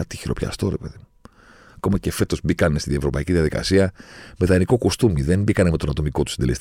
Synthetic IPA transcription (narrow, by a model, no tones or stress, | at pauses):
ɐt̪i̥çiɾopçɐ̰st̪o̞ɾe̞pe̞ðimu | ɐko̞mɐce̞fe̞t̪o̞zbikɐnst̪iðievɾo̞pɐiciðiɐðikɐ̰siɐme̞ðɐniko̞kust̪umiðe̞mbikɐneme̞t̪o̞nɐt̪o̞miko̞t̪u̥sind̪elest̪